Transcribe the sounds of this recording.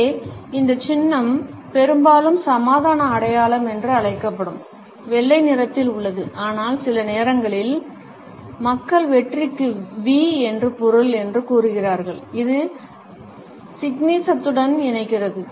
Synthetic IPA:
ɪnd̪ɐt͡ʃɪnːɐmpɛɾɯmbaːlɯmsɐmaːðaːnɐːɽɐjaːɭɐmɛndrɯɐɭɐɪkːɐpːɐɽɯm | ʋɛɭːɐɪnɪɾɐt̪ːɪlʊɭːɐðɯʔaːnaːlsɪlɐneːɾɐŋɡɐɭɪl | mɐkːɐɭʋɛʈrɪkːɯʋiːɛndrɯpɔɾɯlɛndrɯkuːɾɯɣɪraːɾɣɐɭɪðɯ | sɪɡniːsɐt̪ːɯɽɐnɪnɐɪkːɪrɐðɯ

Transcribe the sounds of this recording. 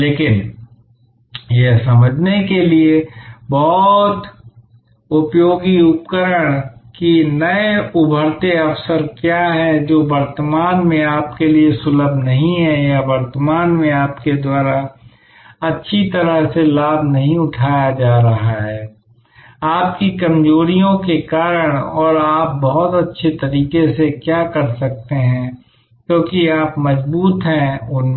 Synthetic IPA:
leːkɪn | jesɐməd͡ʒʱnekeliebɔːt̪ | ʊpjoːɡiʊpkəɾəɽ̃kinəeʊbʱəɾt̪eɐfsəɾkjaɦɛd͡ʒoːbəɾt̪əmaːnmẽaːp̚keliesʊləbʱnɐɦĩɦɛjabəɾt̪əmaːnmẽaːpked̪waːɾa | ɐtːʃʰit̪ɐɾəɦselaːbnɐɦĩʊʈʰaːjad͡ʒaːɾɐɦaɦɛː | aːp̚kikɐmd͡ʒoːɾijõkekaːɾəɽ̃ɔːɾaːp̚bɐɦʊt̪ɐtːʃʰet̪ɐɾiːkesekjaːkɐɾsɐk̚t̪eɦɛ̃ | kjõːkiaːpmɐzbuːt̪ɦɛ̃ʊn

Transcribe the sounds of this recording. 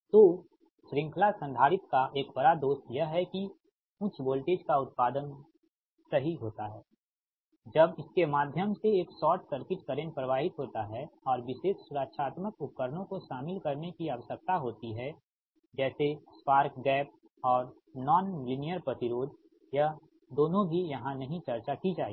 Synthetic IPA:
t̪oː | ʃɾɪ̃ŋkʰlasə̃nd̪ʱaːɾɪt̪kaʔeːkbɐɾad̪oːst̪jəɦɛki | ʊ̃t͡ʃʰboːlʈeːd͡ʒkaʊt̪̚paːd̪ən | sɐɦiɦoːt̪aɦɛː | d͡ʒɐbɪskemaːd̪ʱjəmseeːksɔːʈsɐɾkɪʈkəɾẽnpɾəʋaːɦɪt̪ɦoːt̪aɦɛɔːɾʋɪʃeːsːʊɾəkʃaːt̪məkʊp̚kəɾnõkoʃaːmɪlkɐɾnekiaʋəsək̚t̪aɦoːt̪iɦɛ | d͡ʒɛːsespaːɾkɡɛːp̚ | ɔːɾ | nɔːnlɪnijəɾpɾɐt̪ɪɾoːd̪ | ja | d̪oːnõbʱijɐɦãnɐɦĩt͡ʃɐɾt͡ʃakid͡ʒaːḛ

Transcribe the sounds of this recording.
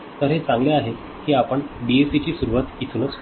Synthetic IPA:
t̪əɾɦet͡sãŋɡleaɦe | kiːapəɳbiesit͡ɕiːsuɾuʋat̪it̪ʰunət͡s

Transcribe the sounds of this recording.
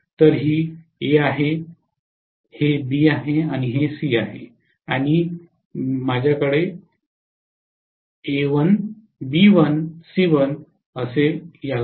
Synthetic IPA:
t̪əɾɦiːeaɦe | hebiaɦeaɽ̃iɦesiaɦḛ | aɽ̃i | mad͡ʑʱjakəɽe | eʋən | biʋənsiʋən | əsejal

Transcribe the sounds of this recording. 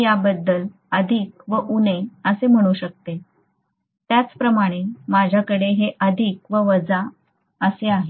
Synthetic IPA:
jabəd̪ːəl | əd̪ʱiːk̚ʋəʔuneəsem̤əɽ̃uɕək̚t̪e | t̪jat͡spɾəmaɽ̃emad͡ʑʱakəɽeɦeʔəd̪ʱikʋəʋəd͡za | əseaɦe

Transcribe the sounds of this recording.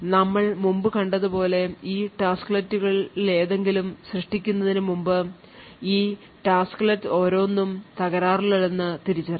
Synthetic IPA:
nɐmːɐɭmumbɨkɐɳɖɐðɨpo̞ːle̞iːʈaːsklɐtːuɣɐɭile̞ːðe̞ŋɡilumɕrɨʂʈikʲːunːɐðinɨmumbɨ | iː | ʈaːsklɐtːɨo̞ːɾo̞ːnːumt̪ɐɣɐɾaːriliɭenːɨt̪iɾit͡ɕːɐr

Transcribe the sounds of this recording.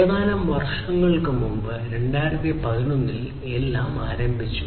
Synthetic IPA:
ɐðaːnɐmʋɐrʂɐŋːɐɭkɨmumbɨɾe̞ɳɖaːjiɾɐt̪ːipɐðinonːil | elːaːmaːɾɐmbʱit͡ɕːu̥

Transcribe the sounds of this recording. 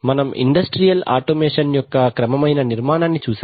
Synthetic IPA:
mɐnɐmḭɳɖɐsʈɾijɐla̰ːʈoːmeːʂɐnjɔkːɐkɾɐmɐmɐjnɐniɾmaːnaːnːit͡ʃuːs

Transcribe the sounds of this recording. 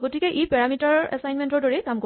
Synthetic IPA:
ɡotikɛʔipɛɹamitaɹɛ̰sajnmɛntɔɹdɔɹɛkamko

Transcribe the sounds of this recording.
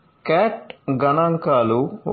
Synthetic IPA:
kɛːʈɡɐnaŋkaːlu

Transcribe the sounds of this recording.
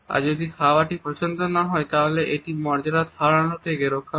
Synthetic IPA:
a̰ɾd͡ʒod̪ikʰawaʈipɾɔt͡ʃont̪onaɦɔet̪aɦoleʔeʈimɔɾd͡ʒaɾat̪ʰaɭaɭot̪ʰekeɾokʰːa

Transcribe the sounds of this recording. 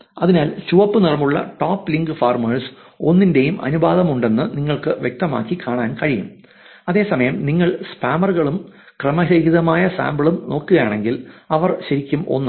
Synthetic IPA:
ɐðinaːlt͡ɕuʋɐpːɨnirɐmuɭːɐ̰ʈoːpːliŋɡɨfaːrmɐɻs | o̞nːinde̞jumʔɐ̰nubaːðɐmuɳɖe̞nːɨniŋːɐɭkɨʋjek̚t̪ɐma̰ːkːikaːɳaːnkɐɻijum | ɐðe̞ːsɐmɐjɐmniŋːɐɭspaːmɐrɣɐɭum | krɐmɐɾɐhiðɐmaːjɐsa̰ːmbɐɭumno̞ːkːɨɣɐjaːɳe̞ŋɡilɐʋɐrɕɐɾikʲːumo̞̰nːɐ

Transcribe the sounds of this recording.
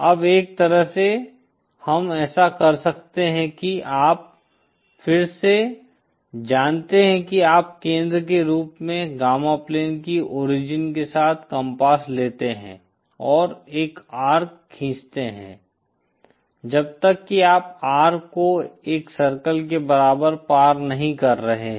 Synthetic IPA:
ɐbeːk̚t̪ɐɾəɦse | hɐmɛːsakɐɾsɐkt̪eɦɛ̃kiaːp̚ | fɪɾse | d͡ʒaːnt̪eɦɛ̃kiaːp̚kẽːnd̪ɾək̬eɾuːpmẽɡaːmapleːnkiʔɔːɾɪd͡ʒɪnkesaːt̪ʰkɐ̃mpaːsleːt̪eɦɛ̰̃ː | ɔːɾeːkaːɾkkʰːĩːt͡ʃt̪eɦɛ̰̃ː | d͡ʒɐb̚t̪əkːiaːpaːɾkːoeːksɐɾkəlk̬ebɐɾaːbəɾpaːɾnɐɦĩkɐɾːɐɦeɦ

